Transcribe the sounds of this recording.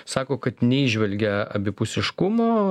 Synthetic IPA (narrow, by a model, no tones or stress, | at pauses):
sɑːkoːkɐt̪nʲɛiːʒʲʋʲɛlʲɡʲɛɐ̰bʲɪpʊsʲɪʃkʊmoː